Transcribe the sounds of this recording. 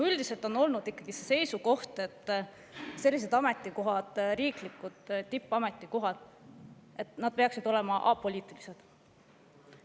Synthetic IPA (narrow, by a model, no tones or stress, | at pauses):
yld̪̥ise̞lt̪o̞nːo̞lnud̪̥ikːˑɑɡ̥ise̞se̞jsuko̞ht̪e̞t̪ːˑ | se̞lʲːis̬e̞d̪̥ɑme̞t̪ˑːiko̞ɦɑd̪̥ɾiːklikːˑud̪̥ːipːˑɑme̞t̪ːˑiko̞ɦɑd̪̥ | e̞t̪ˑnɑd̪̥̚pe̞ɑksid̪̥o̞le̞mɑʔɑ̰pːo̞lʲiːt̪ˑilise̞d̪̥